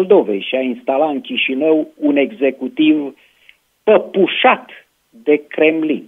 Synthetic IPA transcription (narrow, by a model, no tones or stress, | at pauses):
ld̪o̞vḛjʃiainst̪alat̪ɨŋkʲiʃinəwune̞ɡze̞kut̪iv | pəpuʃat̪ | d̪e̞kɾe̞mlḭn